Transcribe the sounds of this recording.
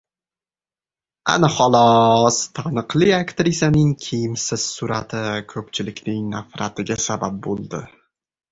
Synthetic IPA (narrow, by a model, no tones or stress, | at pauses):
a̰naχɒlˠɒst̪ʰanɨqlˠɪakt̪ɾɪsʲjanɪŋkʲʰijɪmsɪz̥sʊɾat̪ʰɪkʰɵpt͡ʃʰɪlɪkʲnɪŋnafɾat̪ɪɡʲasabap̚bolˠd̪ɪ